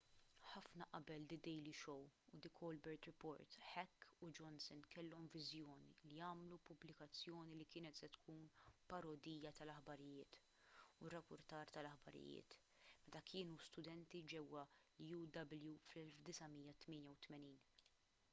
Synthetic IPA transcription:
ħɐfnɐʔɐbɛld̪ɪd̪ɛjliʃɔwud̪ɪkʰɔːlbɛɾt̪ɾɪpɔːɾt̪ħɛkːud͡ʒɔnsɔnkʰɛlːɔmvɪzjɔːnḭliɐːmlupʊblɪkɐt͡sːjɔːnilikɪːnɛt̪sɛt̪kʰuːnpɐɾɔd̪ijɐt̪ɐlɐħbɐɾɪjɪ̰ːt̪ | ʊrːɐpːʊɾt̪ɐːɾt̪ɐlɐħbɐɾɪ̰jɪ̰ːt̪ | mɛt̪ɐkʰɪːnust̪ʊd̪ɛnt̪id͡ʒɛwːɐlijud̪ɐbɪljuflɛlfd̪ɪsɐmijːɐt̪mɪːnjɐwt̪mɛniːn

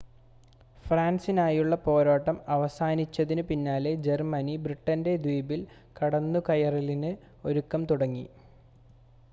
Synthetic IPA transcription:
fraːnsinaːjuɭːɐpo̞ːɾaːʈːɐmɐʋɐsaːnit͡ɕːɐðinɨpinːaːled͡ʑe̞rmɐnibriʈːɐnde̞d̪wiːbil | kɐɽɐnːukɐjɐrilinɨ | o̞ɾukːɐmt̪uɽɐŋːḭ

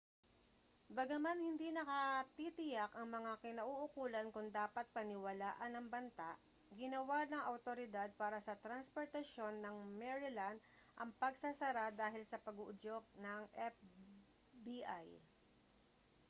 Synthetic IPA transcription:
bɐɡɐmanhɪnd̪inɐkɐt̪it̪ɪjakɐŋmɐŋakɪnɐʔuʔʊkuːlɐnkʊŋd̪aːpɐt̪̚pɐnɪwɐlaːʔɐnɐŋbɐnt̪aʔ | ɡɪnɐwanɐŋʔɐwt̪oɾɪd̪ad̪̚paːɾɐsɐt̪ɾɐnspoɹt̪ɐʃo̞nːɐŋmɛɹɪland̪ | ʔɐŋpɐɡsɐsɐɾad̪aːɦɪlsɐpɐɡuʔʊd͡ʒok̚nɐŋʔɛf | biʔa̰j

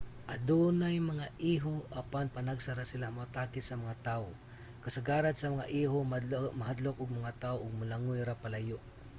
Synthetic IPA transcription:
ʔad̪unajmaŋaʔiɦoʔapanpanaɡsaɾasɪlamʊat̪aːkɪsamaŋat̪aʊ | kasaɡaːɾad̪samaŋaʔiɦomaɦad̪lʊk̚ʊɡ̚maŋat̪aoʔʊɡ̚malaŋʊjɾapalajʊʔ

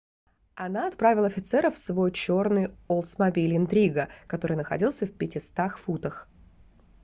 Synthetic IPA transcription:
ɐnaɐt̪pɾavʲɪlˠɐfʲɪt̪sɛɾəfsvo̞jt͡ɕo̞rnɨjolˠt̪smɐbʲilʲɪnt̪ɾʲiɡəkɐt̪o̞ɾɨjnəxɐ̰dʲilˠsʲəfpʲɪtʲɪst̪axfut̪əx

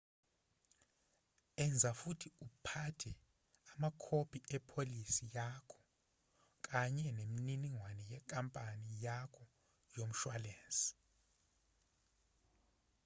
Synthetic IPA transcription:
ɛnd͡zʱafutʰiupʰatʰɛ | amakʰopʰʼiʔɛpʰolisijakʰɔ̥ | k̬ʼaɲɛnemininiŋwanɛjɛkʼampʼanijakʰɔ | jom̩ʃwaleːnsʼi̥

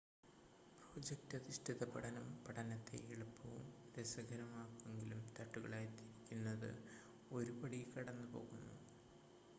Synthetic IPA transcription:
pro̞ːd͡ʑek̚tɐðiɕʈiðɐpɐɽɐnɐmpɐʈɐnɐt̪ːe̞̰iɭɐpːɐʋumd̪esɐɡʱɐɾɐmaːkːumeŋɡilumt̪ɐʈːuɣɐ̰ɭaːjt̪iɾikʲːunːɐðɨ̰ | o̞ɾubɐɽikɐɽɐnːɨpo̞̰ːɣunːṵ

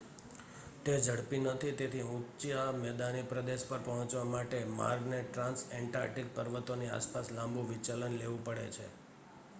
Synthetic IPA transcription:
t̪ed͡ʒəɽpinət̪ʰit̪et̪ʰiũt͡ʃamɛd̪anipɾəd̪eʃpəɾpəɦɔ̃t͡ʃʋamaʈema̰ɾɡneʈɾãnsɛɳʈa̰ɾʈik̚pəɾʋət̪onia̰spaslãmbũʋit͡ʃalənleʋũpəɽḛt͡ʃʰḛ

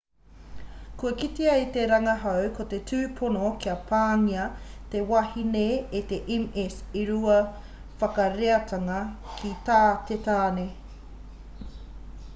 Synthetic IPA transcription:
kuɐkit̪iɐit̪eɾɐŋɐɦɐwkʰot̪e̞tʰʉːpʰonokʰiɐpʰaːŋiɐt̪ewɐhineet̪eʔemesiɾuɐ | fɐkɐɾeɐt̪ɐŋɐ | kʰit̪aːt̪et̪aːne

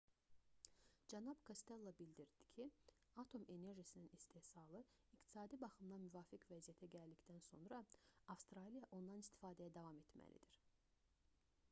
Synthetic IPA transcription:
d͡ʒænɑbkʰost̪elˠːɑbild̪iɾd̪̥i̥cʰiɑt̪ʰo̞me̞ne̞ɾʒisininist̪ehsɑlˠɯikt̪ʰi̥sɑːd̪ibɑχɯmd̪ɑmyvɑːficʰvæzijæt̪ʰæɟæld̪icd̪ænso̞̰nɾɑɑfst̪ɾɑlijɑʔo̞nd̪ɑnist̪ʰi̥fɑːd̪ɛjæd̪ɑvɑme̞t̪mæ̰lḭd̪iɾ̥

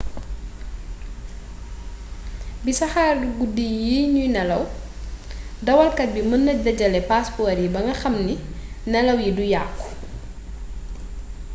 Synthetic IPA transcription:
bisɐxaːrɡudijiɲujnɛlɐw | dɐwɐlkɐt̚bimənːɐdɐɟɐlɛpaspɔɾjibɐŋɡɐxɐmninɛlɐwjidujaːkːu̥

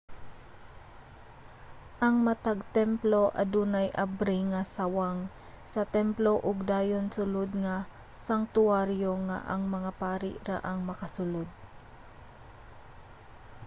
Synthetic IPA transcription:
ʔɐŋmɐt̪aɡ̚t̪ɛmplo̞ʔɐ̰d̪uːnɐjʔabɾiŋɐsawaŋ | sɐt̪ɛmplo̞ʔʊɡ̚d̪aːjo̞nsʊlod̪ŋa | saŋt̪ʊaɾjoŋa̰ʔɐŋmɐŋapaːɾɪ̰ʔɾa̰ʔɐŋmɐkɐsʊlod̪̚

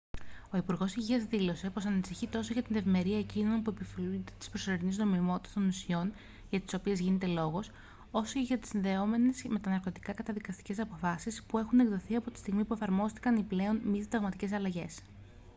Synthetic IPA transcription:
o̞ipuɾɣo̞siʝiɐzðilo̞se̞po̞sɐnisiçit̪o̞so̞ʝɐt̪inðe̞vime̞ɾiɐe̞cino̞npue̞pifilunet̪e̥t̪i̥spɾoso̞ɾinizno̞mimo̞t̪it̪e̥st̪o̞nusio̞n | ʝɐt̪i̥so̞pie̞zʝine̞t̪e̞lo̞ɣo̞s | o̞so̞ce̞ʝɐt̪isinðe̞o̞me̞ne̞sme̞t̪ɐnɐɾko̞t̪i̥kɐkɐt̪ɐðikɐst̪i̥ce̞sɐpo̞fɐsispue̞xune̞ɡðoθiɐpo̞t̪i̥st̪iɣmipue̞fɐɾmo̞st̪i̥kɐniple̞o̞nmiðd̪ɐɣmɐt̪ice̞sɐlɐʝe̞s

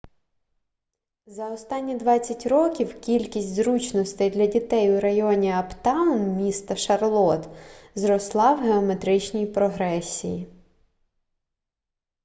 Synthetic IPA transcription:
zɐɔst̪ɑnʲːid̪ʋɑt͡sʲːɐtʲrɔkʲiwkʲilʲkʲisʲtʲzɾut͡ʃnɔst̪ɐjd̪lʲɐdʲit̪ɛjʊɾɐjɔnʲiɐpt̪ɑwnmʲist̪ɐʃɐrlˠɔt̪zɾɔslˠɑwɦeɔmet̪ɾɪt͡ʃnʲijpɾɔɦɾɛsʲiji

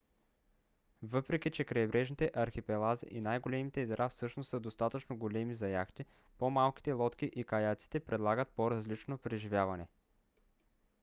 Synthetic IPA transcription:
vɤpɾɛkʲit͡ʃɛkɾɐɛbɾɛʒnit̪ɛʔɐɾxipɛlˠazḭʔinajɡolɛmit̪ɛizɾʔafsɤʃnossəd̪ost̪at̪ət͡ʃnoɡolɛmizɐjaxt̪i | pomalˠki̥t̪ɛlˠɔt̪k̟iʔikɐjat̪si̥t̪ɛpɾɛd̪lˠaɡət̪̚poɾɐzlit͡ʃnopɾɛʒivʲjavɐnɛ

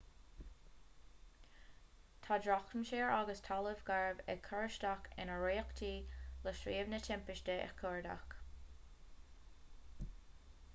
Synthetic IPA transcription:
t̪ʰaːdɹɔxənʃeːɹʔaɡəstʰaləvɡaɹbɛ̰ɡ̚kʰəɹəʃtakɪ̰nəɹeːkt̪ʰiːləʃɹiːəvnətʰɪmpɪʃtəɛ̰kʰɔɹda̰k

